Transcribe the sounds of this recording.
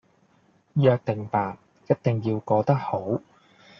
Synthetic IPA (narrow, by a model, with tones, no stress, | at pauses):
jœː˧k̚t̪ɪ˨˩ŋpaː˨t̚ | jɐ˥t̚t̪ɪ˨ŋjiː˧wkɔː˧t̪ɐ˥k̚ho˨˥w